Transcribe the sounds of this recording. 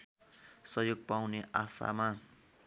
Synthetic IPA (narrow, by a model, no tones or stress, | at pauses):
sʌɦjoɡ̚pawneʔasa̰ma